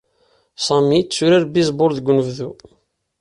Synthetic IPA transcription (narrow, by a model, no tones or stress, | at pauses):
sˤɑmit͡sːuɾaɾbizˤboɾðəɡʷnəvðu